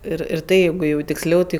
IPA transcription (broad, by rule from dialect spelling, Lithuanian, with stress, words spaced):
ˈɪr ɪr ˈtɐɪ ˈjɛɪɡʊ jɛʊ tʲɪksʲˈlʲɛʊ ˈtɐɪ